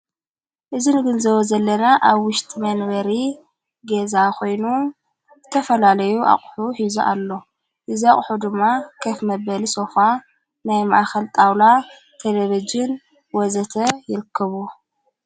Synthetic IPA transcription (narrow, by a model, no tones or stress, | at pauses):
ʔɨzinɡɨnzɐβozɐlːɐnaʔaβwʊʃt̪ʼimɐnbɐɾi | ɡezakʰo̞jnu | zɨt̪ʰɐfɐlalɐjuʔa̰χʼħuħizuʔa̰lːo̞ | ʔɨziaχʼħud̪ɨmːakʰɐfmɐbɐlisofa | najma̰ʔaxɐlt̪ʼawla | t̪ʰɐlɐβɐd͡ʒɨn | wɔzɐt̪ʰɐjɪɾɨkʰːɐβu